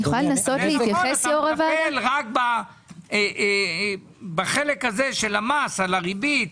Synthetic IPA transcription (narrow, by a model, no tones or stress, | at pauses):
uχalnasotleitjaχesjoʁevaelʁak̚ba | baχelekhazeʃelamasalaʁibit̪